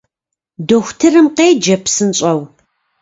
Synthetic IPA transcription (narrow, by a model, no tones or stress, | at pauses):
doxʷʊtʰɨrɨmqeːd͡ʒɐpʰsɨnɕʼɐw